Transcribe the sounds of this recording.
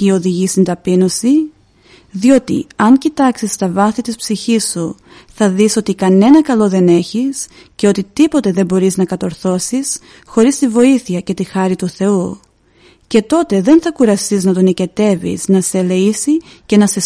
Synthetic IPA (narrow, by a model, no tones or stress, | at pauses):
io̞ðiʝist̪ind̪ɐpino̞si | ðio̞t̪ḭɐŋcit̪ɐksist̪ɐvɐθit̪ispsiçisːu | θɐðiso̞t̪ikɐne̞nɐkɐlo̞ðe̞ne̞çis | ce̞o̞t̪it̪ipo̞t̪e̞ðe̞mbo̞ɾiznɐkɐt̪o̞ɾθo̞sis | xo̞ɾist̪ivo̞iθiɐce̞t̪ixɐɾit̪uθe̞u | ce̞t̪o̞t̪e̞ðe̞nθɐkuɾɐst̪iznɐt̪onice̞t̪e̞vḭsnɐse̞le̞isice̞nɐse